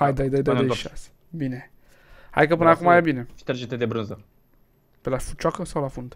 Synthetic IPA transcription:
hajd̪əjd̪əjd̪əjd̪əjʃase̥ | bine | ha̰jkəpɨnəakumajabineʃt̪eɾd͡ʒet̪ed̪ebɾɨnzə | pelafu̥t͡ʃwakəsawlafund̪

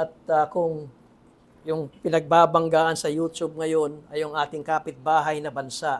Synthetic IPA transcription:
ʔɐt̪̚ɐkʊŋ | jʊŋpɪnɐɡ̚baːbɐŋɡaːʔɐnsɐjuːt̪ub̚ŋɐjo̞nɐjʊŋʔaːt̪ɪŋkaːpɪt̪̚baːɦɐjnɐbɐnsaʔ

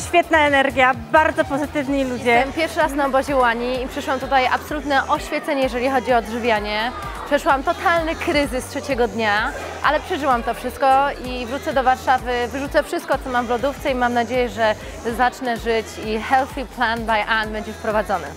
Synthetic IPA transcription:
ɕfʲjɛt̪̚naɛnɛɾɡʲjabaɾd̪zɔpɔzɘt̪ɘvɲilud͡ʑɛɛmpʲjɛɾfʂɘɾasnaɔbɔʑɛwaɲiːpʂɛʂwamt̪ut̪aja̰psɔlut̪nɛʔɔɕfʲjɛt̪sɛɲɛjɛʐɛlʲixɔd͡ʑiɔd̪ʐɘvʲjaɲɛ | pʂɛʂwamt̪ɔt̪alnɘkɾɘzɘstʂɛt͡ɕɛɡɔd̪ɲa | ʔa̰lɛpʂɛʐɘwamt̪ɔfʂɘst̪̚kɔivɾut̪sɛd̪ɔvaɾʂavɘvɘʐut̪sɛfʂɘst̪̚kɔt̪sɔmamvlɔd̪uft̪sɛimamnad͡ʑejɛʐɛ | zat͡ʂnɛʐɘt͡ɕixɛlθʲiplanbajʔanbɛɲd͡ʑɛfpɾɔvad̪zɔnɘ̰

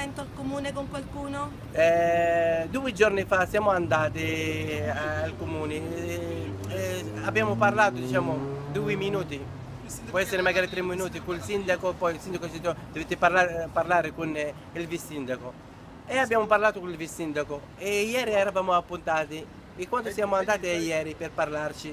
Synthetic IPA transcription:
ɛnt̪oalkomuːnekoŋkwalkuːno | ɛ | d̪uːɪd͡ʒoɾnifasjaːmʊand̪aːt̪i | alkomuːnɪ | abjaːmʊparlaːt̪ʊd̪it͡ʃaːmʊd̪uːɪminuːt̪i | pɔɛsːeɾɪmaɡaːɾit̪ɾemːinuːt̪ikuilsind̪akopɔjilsind̪akot͡ʃit̪ːod̪̥ovet̪ːɪpalapaɾlaːɾɪkun | ilvisːind̪ako | eabːjaːmʊparlaːt̪ʊkuilvisːind̪ako | ɛjɛːɾiɛɾavaːmʊapːunt̪aːt̪iː | kːwant̪osjaːmʊand̪aːt̪iajɛːɾipɪrpaɾlaɾt͡ʃi

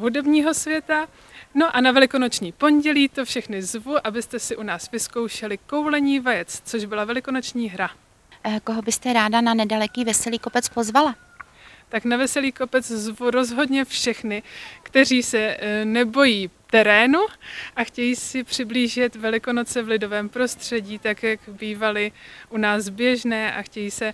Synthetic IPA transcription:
ɦudɛbɲiːɦo̞svjɛt̪a | no̞ʔanavɛlɪko̞no̞t͡ʃɲiːpo̞nɟɛliːt̪ofʃɛxnɪzvuʔabɪst̪ɛsɪʔunaːsvɪsko̞wʃɛlɪko̞wlɛɲiːvajɛt͡st͡so̞ʒbɪlavɛlɪko̞no̞t͡ʃɲiːɦɾa | koɦo̞bɪst̪ɛɾaːdananɛdalɛkiːvɛsɛliːko̞pɛt͡spo̞zvala | t̪aknavɛsɛliːko̞pɛt͡szvuɾo̞zɦo̞dɲɛfʃɛxnɪkt̪ɛriːsɛnɛbo̞jiːft̪ɛɾɛːnuʔaxcɛjiːsɪpr̥ɪbliːʒɪt̪vɛlɪko̞no̞t͡sɛvlɪdo̞vɛːmpɾo̞st̪r̝̥ɛɟiːt̪akjakbiːvalɪʔunaːsbjɛʒnɛːʔa̰xcɛjiːsɛ

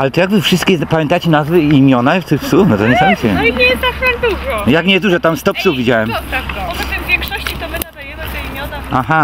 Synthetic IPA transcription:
alɛt̪ɔjaɡbɨfʂɨst̪kʲɛpamʲjɛnt̪at͡ɕɛnazvɘimʲjɔnaft̪ɪxpsufnɔt̪ɔnmsɛnɕɛiɲɛst̪akaɡd̪uʐɔjakɲɛzd̪uʐɔt̪amst̪ɔpsuvvʲid͡ʑawɛmakt̪vʲjɛŋkʂɔɕt͡ɕit̪ɔmɪad̪ajɛaimʲjɔaaɦa

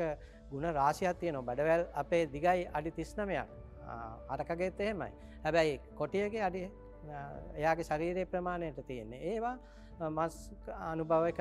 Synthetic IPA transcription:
ə | ɡunəɾaːsijat̪ːijənoʋabæɖəʋælapeːd̪iɡajʔaɖit̪isnəmeja̰k | a̰ɾəkaɡəet̪ːeɦema̰j | hæbæjkoʈijəɡeaɖi | ejaːɡeʃaɾiːɾeːpɾəmaːnejəʈət̪ijenːeeːʋaː | masːnubʱaʋek

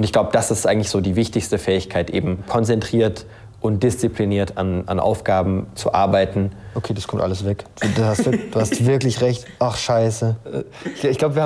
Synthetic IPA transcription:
ʊntɪçɡ̥laʊbəd̥asɪstʔaɪɡŋ̩tlɪsz̥oːdiːvɪçtɪçstəfɛːɪçkʰaɪtʔḛːbm̩kʰɔnt͡sɛntʁ̥iːɐt | ʔʊnt̚d̥ɪst͡sipʰliniːɐtʰa̰na̰nʔa̰ʊfɡ̥aːbm̩t͡sṵʔa̰ɐbaɪtn̩ʔokʰeːdaskʰɔmtʔa̰ləsvɛkdahasd̥uːhastvɪɐklɪçʁɛçtʔaχʃaɪsə | ɪçɡ̥laʊbəviɐh

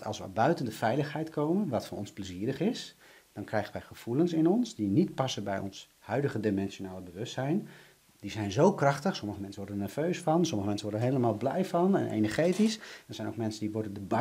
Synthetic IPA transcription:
tɑ̰lˠsʋə̰bœɥtəndəfɛjləχɦɛjtkʰowmənʋɑtfɔnʔɔnzpləziːɾəχɪs | d̥ɑnkrɛjχənʋɛjχəv̥ulənsɪnɔnsdinitpɑsəbɛjɔ̰ns | hœɥdəχədimɛnʃonaːləbəʋɵstsɛjn | dizɛjnzowkrɑχtəχsɔməχəmɛnsənʋɔɹdənɛɹv̥øɥsfɑnsɔməχəmɛnsəʋɔdənɦejləmaːlˠblɛ̰jfɑnɛ̰nʔḛjnəɹχejtisdɑzɛjnoʊwk̚mɛnsəndiʋɔɹdəndə

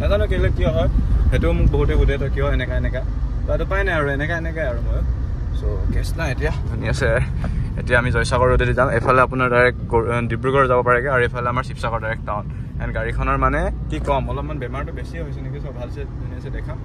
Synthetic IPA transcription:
nazanʊkelɛkːijɔɦɔjhetumʊk̚bɔɦutɛɡutɛtɔkijɔɛnɛkaɛnɛka | patʊpajnaaɹuɛnɛkaenɛkajaɹumɔj | sokɛsnaetijadʱuniasɛḛtijaːmizɔjsakɔɹododizamejpʰalɛapʊnaɹdaɹɛk̚ɡɔdibɹukɔɹɛzabɔpaɹɛkɛaɹuejpʰalɛamaɹsipʰsakɔɹtaɹɛk̚taʊnɛnɡaɹikʰɔnɔɹmanɛkikɔmɔlɔpmanbɛmaɹtʊbesiɦojsɛnekisɔbbʱalsɛdʱuniasɛdɛkʰam

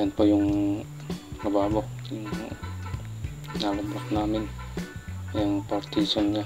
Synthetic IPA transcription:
anpɔjuŋ | ləbabɔk̚juŋ | naləbak̚namɪn | jaŋpart̪isɔnɲa

